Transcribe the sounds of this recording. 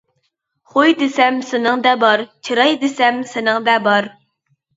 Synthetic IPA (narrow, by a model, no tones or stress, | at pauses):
χojd̪ɪsɛmsɪnɪŋd̪ɛbɑɾt͡ʃʰiɾɑjd̪ɪsɛmsɪnɪŋd̪ɛbɑɾ